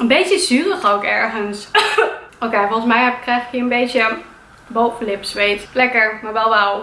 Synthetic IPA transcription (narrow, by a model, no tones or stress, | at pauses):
ənbejtjəzyːrəχowkɛɹχəns | okejfɔlˠχəsmɛjɛpkːrɛjχɪ̥kɦiːɹənbejtjə | bowfəlɪpsʋejtlɛkəɹmaɹʋɛlˠʋɛlˠ